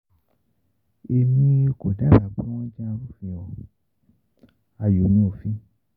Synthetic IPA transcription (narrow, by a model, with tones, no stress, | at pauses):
e˧mĩ˧o˧ko˨da˦ɾa˨k͡pũ˦w̃ɔ̃˦d͡ʒi˦a˧ɾu˦˨fĩ˨ɔ̃˨ | a˧˨jo˨˦nĩ˦o˦˨fĩ˦